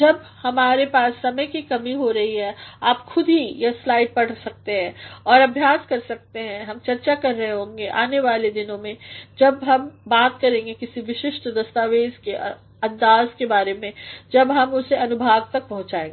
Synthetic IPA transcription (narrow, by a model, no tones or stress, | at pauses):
d͡ʒɐb | hɐmaːɾepaːsːɐməjkikɐmiɦoɾɐɦiɦɛaːpxʊd̪ʱɦijɐslaːɪʈ̚pɐɽ̤sɐk̚t̪eɦɛ̃ːɔːɾɐbʱjaːskɐɾsɐk̚t̪eɦɛ̃ɦɐmt͡ʃɐɾt͡ʃakɐɾːɐɦeɦõːŋɡeʔaːneʋaːled̪ɪnõmẽd͡ʒɐbɦɐmbaːt̪kɐɾẽːŋɡekɪsiʋɪʃɪʃʈd̪ɐst̪aːʋeːzkeʔ | ɐ̃nd̪aːzkebaːɾemẽd͡ʒɐbɦɐmʊseɐnʊbʱaːɡ̚t̪ɐk̚pɐɦʊ̃t͡ʃaːẽːŋɡeː